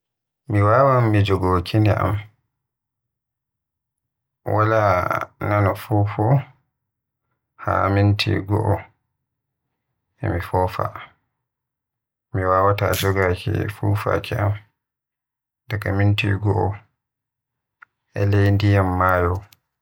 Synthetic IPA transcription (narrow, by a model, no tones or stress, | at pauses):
miwaːwamːid͡ʒoɡoːkʰiniʔa̰m | wʔalananɔfuːfɔ | ha̰mintʰḭɡɔ̰ʔɔ | ʔɛ̰mifɔfa̰ | miwaːwatad͡ʒɔɡakḭfufa̰kʰiʔam | dakamintḭɡɔʔɔ | ʔɛ̰lejndijamːaːjɔ